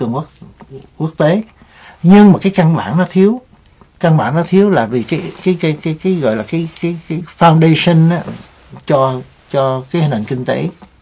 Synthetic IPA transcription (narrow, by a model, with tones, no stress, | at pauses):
ɨ˨˩əŋ˦˥ku˦˥ək̚t̪e˨˦ | ɲɨ˧ŋmaː˨˩kaː˨˦jka˧nɓa̰ː˧˨nnɔ˨˦t̪ʰi˨˦əw | ka˧nɓaː˧˩˦nɔ˨˦t̪ʰi˨˦əwlaː˨˩vi˨˩kaː˨˦jkaː˨˦jkaː˨˦jkaː˨˦jkaː˨˦jɣɔ̰˧˨jlaː˨˩kaː˨˦jkaː˨˦jkaː˨˦jfaː˨˩wnɗe˧sə˧naː˨˦ | t͡ɕɔ˧ | t͡ɕɔ˧kaː˨˦jhi˨n̟ʔa̰˨˩ŋkï˧ŋ̟t̪ḛ˨˦